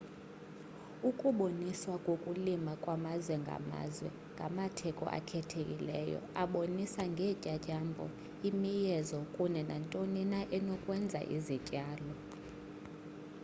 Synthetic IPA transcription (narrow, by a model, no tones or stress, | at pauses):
ukʼuɓoniswakʼokʼulimakʼwamazwɛŋɡʱa̰ma̰ːzwɛ̰ | ŋɡʱamatʰɛkʼɔ̰ʔa̰kʰɛtʰekʼilɛ̰jɔ̰aɓonisaŋɡʱɛcʼacʼambʱɔ̰ | imijɛzɔkʼunɛnantʼoninaʔɛnɔkʼwɛnd͡zʱa̰ʔḭzicʼaːlɔ